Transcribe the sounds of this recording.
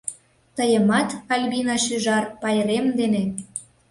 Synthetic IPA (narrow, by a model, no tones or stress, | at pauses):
t̪əjəmɑt̪ɑlʲβinɑʃyʒɑrpɑjɾemd̪ene